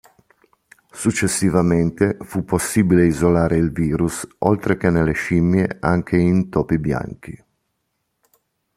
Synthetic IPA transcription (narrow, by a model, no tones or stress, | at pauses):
sut͡ʃːesːivament̪efupːosːiːbileizolaːɾeilviːɾusɔ̰lt̪ɾek̟eneleʃimjea̰ŋk̟ʰeint̪ɔːpibja̰ŋk̟ḭ